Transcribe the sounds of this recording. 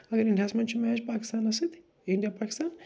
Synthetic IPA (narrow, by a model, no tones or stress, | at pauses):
ɐɡɐɾinasmɐnt͡ʃumaɦed͡ʒpaːki̥st̪aːnɐsit̪ | iɳɖijapaːkist̪aːn